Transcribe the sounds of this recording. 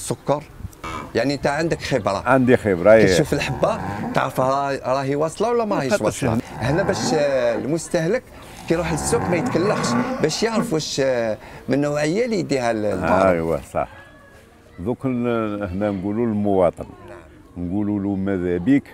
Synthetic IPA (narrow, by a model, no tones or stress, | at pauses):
sʊkːɑɾˤjaʕnint̪æʕənd̪əkxəbɾˤɑ̰ʕand̪ixəbɾˤɑʃufəlħəbːat̪ʕɾfɾˤɑɦiwɑsˤlɑwəlːæmæɾˤɑhəʃwsˤlɑ̰hnːæbæʃlmʊst̪æhlək | kiɾˤuħəlsːukmæjət̪kælːəxʃbæʃjəʕɾfuʃ | mənːəwʕəjːælid̪ihæll̰əwæ̰sˤɑ̰ħ | ðukəhnænɡululmʊwɑt̪ˤən | nɡululumæðæbik